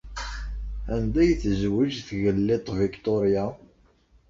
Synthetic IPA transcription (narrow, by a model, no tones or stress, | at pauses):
ænd̪æjθzwid͡ʒθʝəlːɪt̪ˤvikt̪oɾja